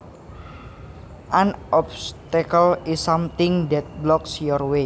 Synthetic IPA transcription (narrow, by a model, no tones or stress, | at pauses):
ʔanʔɔpst̪akəlisːamt̪ɪŋd̪ɛt̪̚blɔksjɔrwe